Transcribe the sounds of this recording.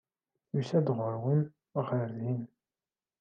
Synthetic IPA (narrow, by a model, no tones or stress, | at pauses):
jusæd̪ʁəɾwən | ʁəɾðin